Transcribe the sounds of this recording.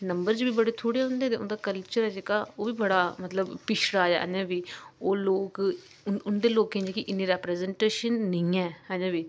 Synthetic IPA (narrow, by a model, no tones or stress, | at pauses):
nəmbəɾd͡ʒbiːbəɽeːt̪ʰoːɽeːɦʊ̃nd̪eːt̪eːʊ̰nd̪aːkəlt͡ʃəɾɛːd͡ʒekaːoːʋiːbəɽaːmət̪ləbpɪʃɽaːd͡ʒa̰ːʔə̰̃d͡ʒãːbiːoːloːk | ʊnd̪eːloːkẽnd͡ʒːkɪʔɪnːĩːɾɛːpɾɛːzɛɳʈeːʃənːɪĩːɛ̃ːhɛ̃ːd͡ʒãːbiː